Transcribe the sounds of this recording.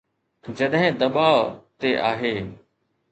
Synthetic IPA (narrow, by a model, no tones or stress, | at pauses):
d͡ʑɐɗɦɪ̃d̪ɐɓaːʋt̪eʔaːɦeː